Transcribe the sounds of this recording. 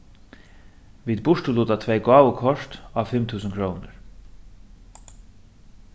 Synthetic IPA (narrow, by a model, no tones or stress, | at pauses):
ʋiːd̪̚bʊʂʈəluːt̪at̪ʰʋɛɪɡɑːwəkʰɔʂt̪ɑːʋfɪmt̪ʰʉːsənkʰɾoːnəɹ